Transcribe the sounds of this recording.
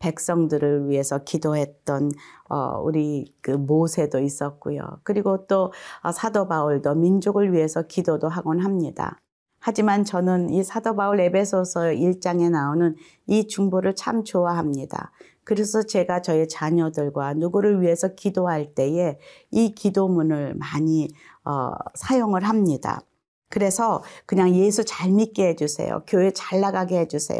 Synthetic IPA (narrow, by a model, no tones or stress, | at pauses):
pe̞k̚s͈ʌŋdɯɾɯɭɥiɦe̞sʰʌkidoɦe̞t̚t͈ʌnʌ̰ṵɾikɯmosʰe̞dois͈ʌk̚k͈ujo̰kɯɾiɡot͈oʌ̰sʰadobauɭdomind͡ʑoɡɯɭɥiɦe̞sʰʌkidodoɦaɡonɦamɲida̰ | had͡ʑimant͡ɕʌnɯnisʰadobauɾe̞bʰe̞sʰosʰʌiɭt͡ɕ͈aŋe̞naonɯn | it͡ɕuŋboɾɯɭt͡ɕʰamt͡ɕowaɦamɲida̰ | kɯɾe̞sʰʌt͡ɕe̞ɡat͡ɕʌet͡ɕaɲʌdɯɭɡwanuɡuɾɯɭɥiɦe̞sʰʌkidoɦaɭt͈e̞e̞ | ikidomunɯɭmaɲi | ʌ̰sʰajoŋɯɭɦamɲida̰ | kɯɾe̞sʰʌkɯɲaŋje̞sʰut͡ɕaɭmit̚k͈eɦe̞d͡ʑusʰe̞̰jo̰kjoet͡ɕaɭːaɡaɡeɦe̞d͡ʑusʰḛjo̰